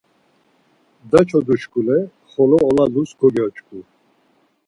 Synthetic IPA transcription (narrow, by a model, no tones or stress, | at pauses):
d̪at͡ʃʰɔd̪uʃkʰʼulɛ | χɔlɔːlalusɡʰɔɡɛɔt͡ʃkʰʼu